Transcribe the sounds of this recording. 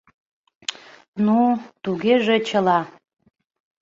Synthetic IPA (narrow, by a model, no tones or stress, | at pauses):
nut̪uɡʲeʒet͡ɕʰəlɑ